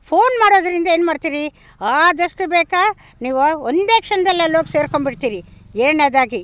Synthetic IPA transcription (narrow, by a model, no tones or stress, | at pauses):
pʰoːnmaːɽoːd̪ɐɾind̪ɐe̞ːnmaːɖt̪iːɾi | aːd̪ɐʂʈubeːka | niːʋuond̪eːkʂɐnɐd̪ɐlːɐloːɡse̞ːɾkoɳbiʈ̚t̪iːɾieːɳeːd̪aːɡi